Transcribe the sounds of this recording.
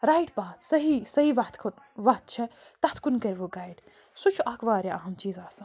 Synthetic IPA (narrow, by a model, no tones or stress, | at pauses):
ɾaːjʈbaːt̪sɐɦisɐɦiʋɐt̪k | ʋɐt̪̚t͡ʃʰɛt̪ɐt̪ʰkunkɐɾʲʋoɡaːjɖ | sut͡ʃʰuʔɐːkʰʋaːɾjaʔɐɦɐmt͡ʃiːzaːsɐ̃